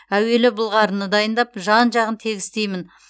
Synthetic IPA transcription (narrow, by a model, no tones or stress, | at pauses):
æwe̞lɪbʊlˠʁɑɾənəd̪ɑjənd̪ɑpʒɑnʒɑʁənt̪ʰe̞ɡʲɪst̪e̞jmɪn